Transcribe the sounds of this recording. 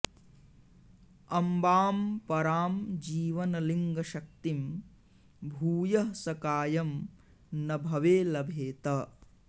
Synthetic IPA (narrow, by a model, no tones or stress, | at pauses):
ɐmbaːmpɐɾaːmd͡ʒiːʋɐnɐliŋɡɐʃɐk̚t̪im | bʱuːjɐɦsɐkaːjɐm | nɐbʱɐʋeːlɐbʱeːt̪ɐ